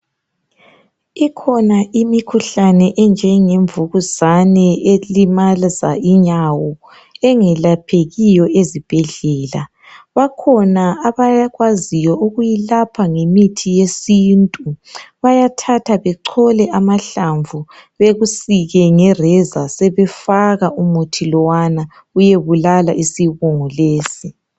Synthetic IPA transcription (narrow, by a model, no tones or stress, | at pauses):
ikʰɔnaʔimikʰuɬanɛʔɛnd͡ʒʱɛŋeɱvuɣuzanɛelimalzaiɲawɔ | ɛŋɛlapʰeɣijɔʔezib̥ʱɛɮɛːla | βakʰɔnaaβaɣwazijɔuɣujilapʰaŋemitʰijesiːntʼuβajatʰatʰaβɛǀʰɔlɛʔamaɬaɱvʱuβeɣusiɣɛŋɛrɛzasɛβɛfaɣaumutʰilɔwana | ujeβulalaʔisiβɔŋɔleːsi